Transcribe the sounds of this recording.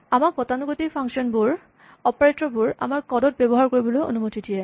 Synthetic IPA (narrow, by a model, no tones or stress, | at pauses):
amak̚bɔtanuɡotipʰaŋksiɔnbuɹ | ɔpaɹetɹɔbuɹa̰maɹkɔdɔt̚bɛbɔɦaɹkoɹibɔlojo̰numotidiɛ